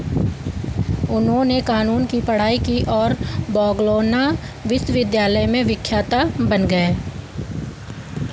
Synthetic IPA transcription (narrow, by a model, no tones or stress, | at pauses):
ʊnɦõːnekaːnuːnkipɐɽ̤aːikiʔɔːɾbɔːɡloːna | ʋɪsʋɪd̪jaːləjmẽʋɪkʰːjaːt̪abɐnɡɐeː